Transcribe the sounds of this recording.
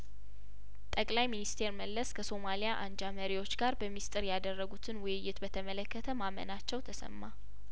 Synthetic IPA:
t̪ʼəkʼlajminist̪ʰe̞ɾməlːəskʰəso̞malijaʔand͡ʒaməɾiwo̞t͡ʃːɡaɾbəmist̪ʼɨɾjad̪ərːəɡut̪ʰɨnwʊjɨjːɪt̪bət̪ʰəmələkːət̪ʰəmamə̰nat͡ʃːɛwt̪ʰəsə̰mːa

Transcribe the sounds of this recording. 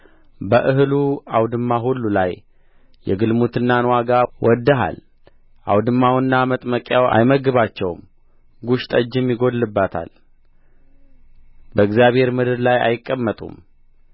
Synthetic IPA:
bəʔɨɦluawd̪ɨmːaɦulːulaj | jɛ̰ɡɨlmut̪ʰɨnːanwaɡawʔɔd̪ːəɦa̰l | ʔa̰wd̪ɨmːawɨnːamət̪ʼməkʼjawa̰jməɡɨβat͡ʃːɛwm | ɡuʃt̪ʼəd͡ʒːɨmjɪɡo̞d̪lɨbːat̪ʰa̰l | bəɨɡzjaβhe̞ɾmɨd̪ɨɾlaja̰jɪkʼːəmːət̪ʼṵm

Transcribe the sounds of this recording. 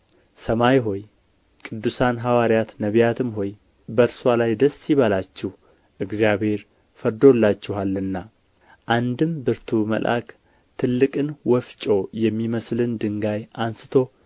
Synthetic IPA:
səmajɦoj | kʼɨd̪ːusanɦawaɾijat̪nəβjat̪ʰɨmɦo̞j | bəɾswalajd̪əsːiβalat͡ʃːɛh | ʔɨɡzijaβhe̞ɾ | fəɾd̪o̞lːat͡ʃːɪɦalːɨnːa | ʔand̪ɨmbɨɾt̪ʰumə̰lʔa̰kʼ | t̪ʰɨlːɨkʼɨnwɔft͡ʃʼo̞jɛmːiməslɨnd̪ɨŋɡajʔansɨ̥t̪ʰo̞

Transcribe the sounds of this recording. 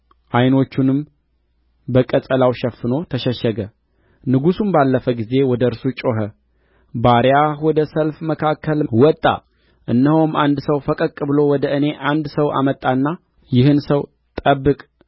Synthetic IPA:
ʔajno̞t͡ʃːunɨm | bəkʼəsʼəlawʃɛfːɨno̞t̪ʰəʃɛʃːəɡə | nɨɡusumbalːəfəɡize̞wɔd̪əɨɾsut͡ʃʼo̞ɦə | baɾjahwɔd̪əsəlfməkʰakʰːəlwɔt̪ʼːa̰ | ʔɨnːəhomand̪səwfəkʼəkʼːɨbɨlo̞wɔd̪əʔɨne̞ʔand̪səwʔa̰mət̪ʼːanːa | jɪhɨnsəw | t̪ʼəbːɨkʼ

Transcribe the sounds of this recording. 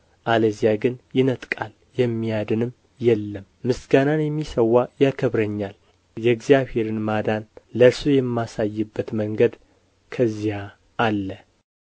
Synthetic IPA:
ʔaləzijaɡɨnjɪnət̪ʼkʼal | jɛmːijad̪ɨnɨm | jɛlːəmːɨsɡananjɛmːisəwːajakʰəβɾəɲːal | jɛɡzijaβhe̞ɾɨnmad̪anləɾsujɛmːasajːɨbːət̪məŋɡəd̪ | kʰəzːija | ʔːlːə

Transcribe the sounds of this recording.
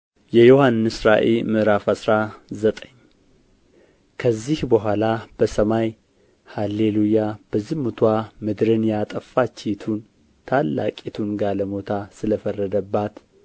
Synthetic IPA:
jɛjohanːɨsɾaʔḛlmɨʔɾafasɾazət̪ʼəɲː | kʰəzːihbəɦʷalab̥əsəmaj | halelujab̥əzːihmut̪ʰwamɨd̪ɾɨnjat̪ʼəfat͡ʃːet̪ʰun | t̪ʰalːa̰kʼit̪ʰunɡaləmo̞t̪ʰasɨləfərːəd̪əbːat̪

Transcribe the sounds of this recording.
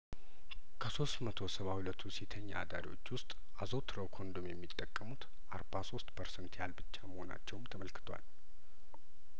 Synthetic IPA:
kʰəso̞st̪mət̪ʰo̞səβahulət̪ʰːusit̪ʰəɲːa̰a̰d̪a̰ɾiwo̞̰t͡ʃːwʊst̪ʼ | ʔazot̪ʰɾəwkʰond̪umjɛmːit̪ʼːəkʼːəmut̪ | ʔaɾbaso̞st̪pʰəɾsɛnt̪jalbɨt͡ʃːaməho̞na̰t͡ʃːɛwmt̪ʰəməlkɨ̥t̪ʰwa̰l

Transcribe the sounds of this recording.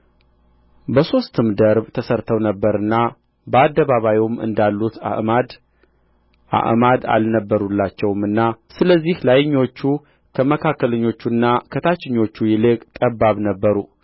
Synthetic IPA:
bəso̞st̪ʰɨmd̪əɾbt̪ʰəsəɾt̪ʰəwnəbːəɾɨnːa | bəad̪ːəβaβajmɨ̰nd̪alːut̪amad̪ | ʔa̰ʔmad̪a̰lnəbːəɾulːat͡ʃːɛwmɨnːasɨləzːihlajɪɲːo̞t͡ʃːu | kʰəməkʰakːələɲːo̞t͡ʃːunːakʰət̪ʰat͡ʃːɪɲːo̞t͡ʃːujɪlɨkʼt̪ʼəbːaβnəbːəɾu

